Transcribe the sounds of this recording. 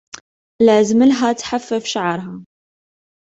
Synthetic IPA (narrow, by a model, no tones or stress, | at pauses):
læzməlɦæt̪ħafːəfʃaʕɾˤɦæ